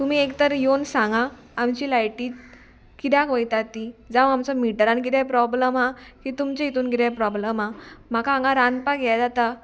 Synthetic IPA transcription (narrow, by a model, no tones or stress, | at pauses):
t̪um̤iekt̪əɾjonsãŋɡaː | mt͡ɕilajʈiː | kit̪jakəjt̪at̪id͡zaʋamt͡sɔmiʈɾãnk̬id̪ɛpɾɔbləmɦakit̪umt͡ɕeit̪uːnkid̪ɛ̃pɾɔbləmam̤akãːŋɡaɾanpaɡɛad͡zat̪a